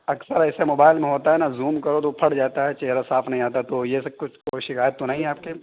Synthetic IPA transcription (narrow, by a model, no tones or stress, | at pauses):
ɐksəɾɛːsemoːbaːɪlmẽɦoːt̪aɦɛnazuːmkɐɾot̪̬opʰɐɽd͡ʒaːt̪aɦɛt͡ʃeɦɾasaːpʰnɐɦĩaːt̪aɦɛt̪ojesekʊt͡ʃʰkoːiʃɪkaːjət̪ːonaɦĩaːp̚ke